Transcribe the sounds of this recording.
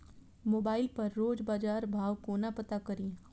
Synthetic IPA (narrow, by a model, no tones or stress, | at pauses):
moːbaːɪlpɐɾːoːd͡ʒbaːd͡ʒaːɾbʱaːʋkoːnapɐt̪akɐɾĩː